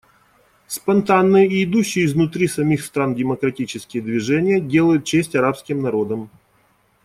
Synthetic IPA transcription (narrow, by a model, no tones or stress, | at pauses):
spɐnt̪anːɨjəɪɪd̪uɕːɪjəɪznʊt̪ɾʲisɐmʲixst̪ɾandʲɪməkɾɐtʲit͡ɕɪskʲɪjəd̪vʲɪʐɛnʲɪjədʲe̞lˠəjʊt̪̚t͡ɕesʲtʲɐɾapskʲɪmnɐɾo̞d̪əm